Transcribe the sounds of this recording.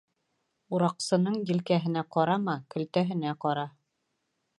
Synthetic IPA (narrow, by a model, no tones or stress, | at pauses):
uɾɑqsɤ̆nɤɴjɘ̆lkæɦɘ̆næqɑɾɑmɑkɵ̆lt̪æɦɘ̆næqɑɾɑ